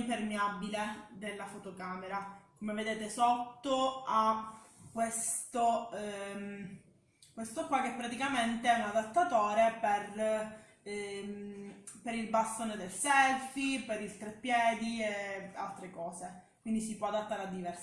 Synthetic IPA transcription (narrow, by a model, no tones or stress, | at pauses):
mpermeabiled̪elːafot̪okaːmeɾakomeved̪eːt̪esot̪ːoakwest̪o | kːwest̪okwakːɛpːɾat̪ikament̪eɛunad̪at̪ːat̪oːɾeper | peɾilbast̪oːned̪elsɛlfipeɾilt̪ɾepːjɛːd̪iealt̪ɾekɔːzekwind̪isipwɔad̪at̪ːaːɾead̪ːivɛrs